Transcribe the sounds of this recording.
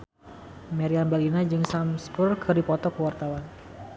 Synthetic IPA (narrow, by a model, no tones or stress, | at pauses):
mɛɾianbɛlinad͡ʒɨŋsamsbʊrkʰɨrdipɔt̪ɔkəwart̪awan